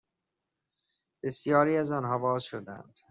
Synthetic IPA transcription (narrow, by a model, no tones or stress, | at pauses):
b̥esjɒːɾiːæzɒːnɦɒːbɒːzʃod̪æ̰nd̪̥